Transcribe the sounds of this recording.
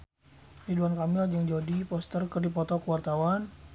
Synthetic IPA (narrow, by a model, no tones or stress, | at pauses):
riduankamɪld͡ʒəŋd͡ʒodipɔst̪ərkərdipɔt̪ɔkəwart̪awan